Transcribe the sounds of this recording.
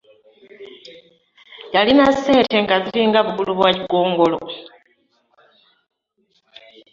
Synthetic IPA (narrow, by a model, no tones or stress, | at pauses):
jalinase̞ːnte̞ŋɡaziɾiːŋɡaβuβuluβwaciɡoːŋɡo̞lo̰